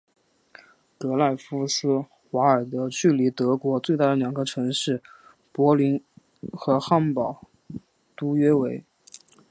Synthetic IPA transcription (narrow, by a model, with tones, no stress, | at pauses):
k̪ɤ˧˥la˥˩ɪfu˥sɹ̩˥ | xwa˧˥ə˞˨˩d̪ə˧˦t͡ɕy˥˩li˧˥t̪ɤ˧˥kwɔ˧˥t͡swe˥˧t̪a˥˩d̪ə˧ljɑ˨˩ŋɡə˧˦ʈ͡ʂʰɤ˧˥ŋʂɻ̩˥˩ | pwɔ˧˥li˧˥n | xɤ˧˥xa˥npɑ˨˩˦ʊ | t̪u˥ɥɛ˥we˧˥ɪ